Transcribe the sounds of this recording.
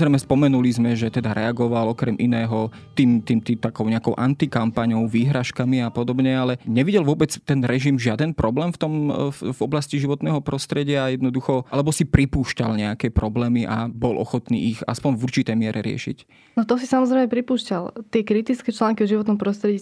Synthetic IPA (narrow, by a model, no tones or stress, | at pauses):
zɾɛjmɛspɔmɛnulizmɛʒɛt̪ɛd̪aɾɛaɡɔʋalɔkɾɛmʔinɛːɦɔ | t̪iːmt̪iːmt̪it̪akɔʊɲɛakɔʊʔant̪ikampaɲɔʊʋiːɦɾaʃkamiapɔd̪ɔbɲɛalɛɲɛʋiɟɛlʋʊɔbɛt͡st̪ɛnɾɛʒimʒɪad̪ɛnpɾɔblɛːmft̪ɔmvɔblasciʒiʋɔt̪nɛːɦɔpɾɔst̪ɾɛɟɪaːjɛd̪nɔd̪uxɔalɛbɔsipɾipuːʃcalɲɛakɛpɾɔblɛːmiʔabɔlʔɔ̰xɔt̪nḭːiɣa̰spɔɲvuɾt͡ʃit̪ɛjmɪɛɾɛɾɪɛ̰ʃḭc | nɔt̪ɔsisamɔzɾɛjmɛpɾipuːʃcalt̪ɪɛkɾit̪it͡skɛːt͡ʃlaːŋkiɔʒiʋɔt̪nɔmpɾɔst̪ɾɛɟiː